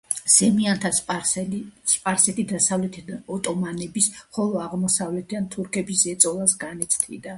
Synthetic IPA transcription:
z̥ɛmiant̪ʰas | spʼaɾsɛt̪ʰid̪asavlɛt̪ʰiɔt̪ʼɔmanɛbisχɔlˠɔaʁmɔsavlɛt̪ʰid̪ant̪ʰuɾkʰɛbisɛt̪sʼɔlˠasɡanɛt̪sʰt̪ʰḭd̪a

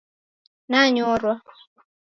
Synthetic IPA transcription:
naɲɔɾwa

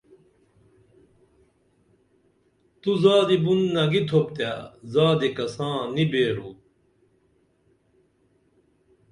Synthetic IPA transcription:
t̪uzaːd̪ibunːɐɡit̪ʰopt̪aːzaːd̪ikɐsãːnibeːɾuː

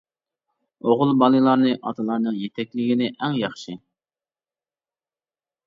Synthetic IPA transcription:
oʁʊlˠbɑlˠɨlˠɑɾnɨʔɑ̰t̪ʰɨlˠɑɾnɨŋjet̪ʰɛkʲlɪɡʲinɪʔɛŋjɑχʃɪ

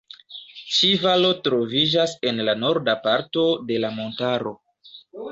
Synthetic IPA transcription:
t͡ʃivalo̞tɾo̞vid͡ʒase̞nlano̞ɾdapaɾto̞de̞lamo̞ntaɾo̞

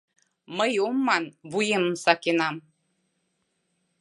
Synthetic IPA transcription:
məjumːɑnβujemə̆msɑkenɑm

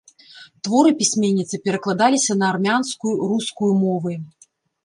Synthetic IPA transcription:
t̪vɔɾɨpʲisʲmʲenʲːit̪sɨpʲɛɾɐklˠad̪alʲisʲɐnɐːrmʲanskujuruskujumɔvɨ

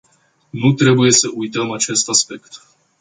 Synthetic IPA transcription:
nut̪ɾe̞buje̞səʔujt̪əmat͡ʃe̞st̪aspe̞kt̪

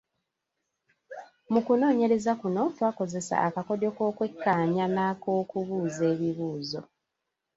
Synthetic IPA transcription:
mukuno̞ːɲe̞ɾe̞zakuno̞ːtwako̞ze̞sa̰akako̞do̞ko̞ːkwe̞kːaːɲanako̞ːkuβuːze̞ːβiβuːzo̞

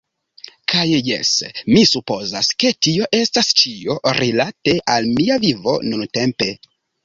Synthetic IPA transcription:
kʰajje̞̰smisupo̞zaske̞tio̞ʔe̞stast͡ʃio̞ɾilate̞ʔalmiavivo̞̰nunte̞mpe̞

